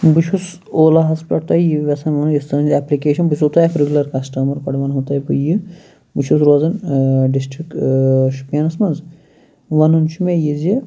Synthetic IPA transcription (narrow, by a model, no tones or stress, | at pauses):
buʃʰus | oːlɐɦɐspɐɽt̪ɐjiʋʲɐsɐnʋɐnjist̪ɐnɐnzʲɛplikeːʃɐnbusot̪aekɾeɡʲulɐɾkɐsʈɐmɐɾkɐɽʋɐnɦot̪ɐːipɨji | bɨʃʰus̬ɾoːzɐnɖisʈɾikʃu̥pjɐːnɐsmɐnz | ʋɐnunt͡ʃʰimejizji